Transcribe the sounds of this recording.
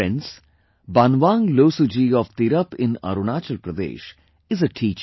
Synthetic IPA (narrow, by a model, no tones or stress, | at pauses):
ɛ̃ns | banʋãːŋɡloːsud͡ʒiːɔʋt̪iɾəpɪ̃na̰ɾunaːt͡ʃəlpɾəd̪ḛːʃ | ɪzəʈʰiːt͡ʃ